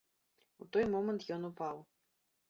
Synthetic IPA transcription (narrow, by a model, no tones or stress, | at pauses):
ut̪ɔjmɔmɐnt̪jɔnupaw